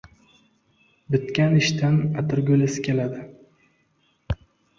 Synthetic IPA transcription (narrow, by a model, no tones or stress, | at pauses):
bɪt̪kʲanɪʃt̪ʰanat̪ʰɪɾɡʲɵlasɪ̥kʲʰe̞lad̪ɪ